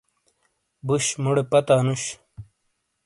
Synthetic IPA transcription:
buɕmuɽepɐt̪aːnuɕ

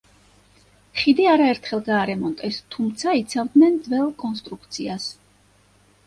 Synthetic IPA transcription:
χid̪iaɾaɛɾt̪ʰχɛlˠɡaːɾɛmɔnt̪ʼɛst̪ʰumt̪sʰait̪sʰavd̪nɛnd̪zvɛlˠkʼɔnst̪ʼɾukt̪sʰias

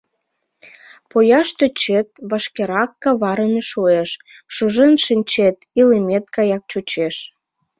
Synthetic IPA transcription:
pojɑʃt̪øt͡ɕet̪̚βɑʃkeɾɑkːɑβɑɾəmeʃoeʃ | ʃuʒenʃinʲt͡ɕet̪ilemʲet̪kɑjɑk̚t͡ɕut͡ɕeʃ

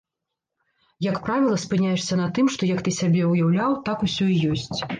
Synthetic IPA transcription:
jɐkpɾavʲilˠɐspɨnʲajɛʂsʲɐnɐt̪ɨmʂt̪ɔjɐkt̪ɨsʲabʲɛwjawlʲawt̪akusʲɔijɔsʲt͡sʲ

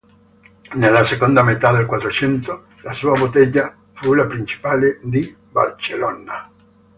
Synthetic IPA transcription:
nelːasekond̪amet̪ad̪elkwat̪ɾot͡ʃɛnt̪o | lasuabot̪ɛʎa | fulapɾint͡ʃi̥paːled̪i | ba̰lt͡ʃelɔna

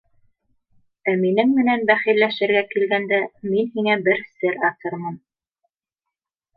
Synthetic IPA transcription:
æminɘŋmɘ̆nænbæχĭlæʃɘ̆ɾɡækilɡænd̪æminɦiŋæbɘɾsɘɾɑt̪ɤɾmɤn

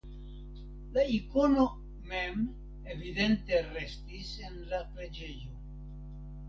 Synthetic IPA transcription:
laiko̞no | me̞m | evide̞nte̞ɾe̞stise̞nlapɾe̞d͡ʒe̞jo̞

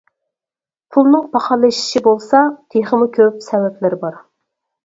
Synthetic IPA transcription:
pʰulˠnɨŋpɑχɑlˠɨʃi̥ʃibolˠsɑt̪ʰeχəmukʲʰøpsɛwɛplɪɾbɑɾ

